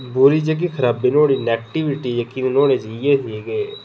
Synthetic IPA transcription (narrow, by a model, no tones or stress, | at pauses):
bʊɾiːd͡ʒəɡikʰəɾaːbiːnoːɽiːnɛːk̚ʈiʋɪʈiːjəkiːnnoːɽeːd͡ʒijeːɦiɡeː